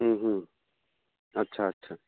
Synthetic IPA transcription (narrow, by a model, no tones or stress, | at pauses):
ɦ̩ɦm̩ | ɐtːɕʰaɐtːɕʰaː